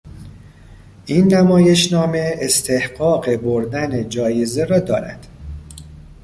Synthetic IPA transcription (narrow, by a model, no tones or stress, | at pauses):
ʔinːæmɒːje̞ʃnɒːme̞est̪ʰe̞hɢɒːɢe̞boɾd̪æned͡ʒɒːjeze̞ɾɒːd̪ɒːɾæ̰d̪̥